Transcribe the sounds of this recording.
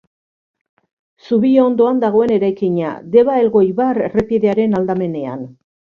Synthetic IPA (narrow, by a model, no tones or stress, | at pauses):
suβioond̪o̞and̪aɣ̞o̞e̞ne̞ɾajkiɲa̰d̪e̞βaelɣo̞jβarrepjeðe̞aɾe̞nald̪ame̞ne̞a̰n